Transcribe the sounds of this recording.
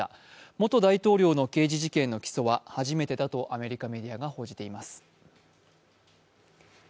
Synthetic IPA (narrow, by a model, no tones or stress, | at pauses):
a̰ | mo̞t̪o̞d̪ait̪o̞ːɾʲo̞ːno̞ke̞ːʑiʑikẽ̞nːo̞kʲi̥so̞βahaʑime̞t̪e̞d̪at̪o̞ʔame̞ɾʲikame̞d̪ʲiaɡaho̞ːʑit̪e̞imasɨ̥